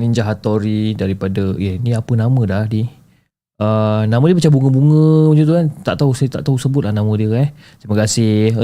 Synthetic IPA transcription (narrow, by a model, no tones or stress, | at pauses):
niɲd͡ʒaɦat̪ɔɾidaɾipadəjəniapənamə̃dahdi | ənamə̃diəpat͡ʃabuŋəbuŋə̃ud͡ʒut̪ukant̪a̰ʔt̪ausajt̪a̰ʔt̪ausəbʊt̪̚lahnãmə̃diəka | t̪ɾiməkasɪ